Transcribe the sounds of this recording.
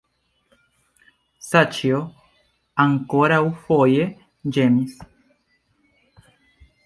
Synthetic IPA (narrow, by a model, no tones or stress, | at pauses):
sat͡ʃio | aŋkoɾaufoje | d͡ʒemis